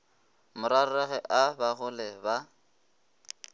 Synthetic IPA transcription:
mʊɾarɛɣɛʔabaɣʊlɛba

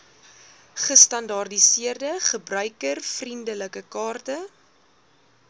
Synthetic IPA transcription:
χəstɐndɐrdisiərdəχəbrœɥkərfrindələkəkɑːrtə

